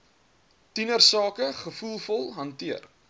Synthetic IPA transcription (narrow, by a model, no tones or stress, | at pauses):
tinərsɑːkəχəfulˠfɔlˠɦɐntiər